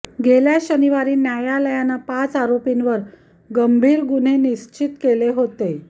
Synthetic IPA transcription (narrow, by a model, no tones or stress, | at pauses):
ɡeljaɕəniʋaɾiːnjajaləjanapat͡saɾopinʋəɾ | ɡəmbʱiːɾɡun̤eniɕt͡ɕit̪keleɦot̪e